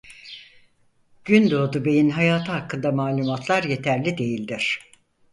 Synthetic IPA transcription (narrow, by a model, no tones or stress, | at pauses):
ɟ̥ynd̪o̞ːd̪ube̞jinɦajaːt̪ʰɯɦakːɯnd̪amaːlʲumat̪ʰlˠaɾje̞t̪ʰæɾlʲid̪e̞jilʲd̪iɾ̝̥